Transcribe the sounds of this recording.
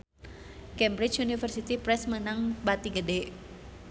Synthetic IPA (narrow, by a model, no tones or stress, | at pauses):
kɛmbɾit͡ʃunifərsit̪ipɾɛsmənaŋbat̪iɡədɛ